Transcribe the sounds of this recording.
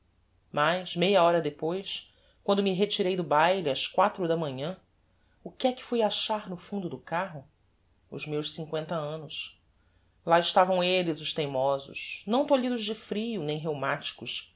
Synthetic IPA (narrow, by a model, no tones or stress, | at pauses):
majʃmejɐɔɾɐd̪epojs | kwɐ̃nd̪ʊmiɦet͡ʃiɾejd̪ʊbajliɐskwat̪ɾʊd̪ɐmɐ̃ɲɐ̃ | ʊkɪɛkɪ̥fujaʃaɾnʊfũnd̪ʊd̪ʊkaɦʊ | ʊ̰zmewʃsĩŋkwẽnt̪ɐɐ̃nʊs | laɪʃt̪avɐ̃w̃elɪzʊʃt̪ẽjmɔzʊ̰ʃnɐ̃w̃t̪oʎid̪ʊʒd͡ʒɪfɾijʊnẽj̃ɦewmat͡ʃi̥kʊʃ